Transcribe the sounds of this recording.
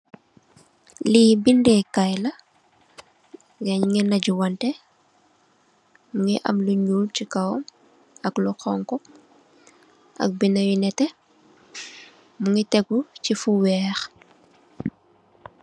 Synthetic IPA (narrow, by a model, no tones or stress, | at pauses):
liːbindɛkajlɐ | ɡɛɲŋɛnɐɟuwɐntɛ | muŋiʔɐ̰mluɲulcikɐwɔm | ɐklɔxɔŋkɔ | ʔɐ̰k̚binɐwinɛtɛ | muŋitɛɡucifuwɛːx